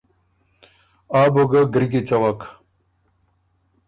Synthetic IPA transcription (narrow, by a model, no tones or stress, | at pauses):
aːboɡaɡɾɡit͡sawak